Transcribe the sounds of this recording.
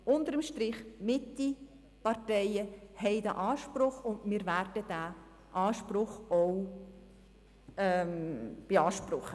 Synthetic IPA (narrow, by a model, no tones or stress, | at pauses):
ʊnt̪əɾəmʃtɾɪχmɪtːi | pɑrtɛɪəhɛɪdæ̰ʔɑːʃpɾʊχʊndmɪːɾværd̥əd̥æː | ʔɑːʃprʊχɔw | ɛmb̥eɑːʃprʊχə